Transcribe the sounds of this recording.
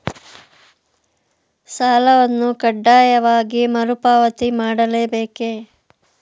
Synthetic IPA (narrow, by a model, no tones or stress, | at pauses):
saːlɐʋɐnːukɐɖːaːjɐʋaːɡimɐɾupaːʋɐt̪imaːɽɐleːbeːkeː